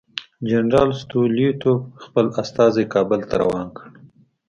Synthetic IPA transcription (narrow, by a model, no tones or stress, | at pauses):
d͡ʒanɾɑlst̪uljut̪oxpəlast̪ɑzekɑbəlt̪aɾa̰wɑnkəɽ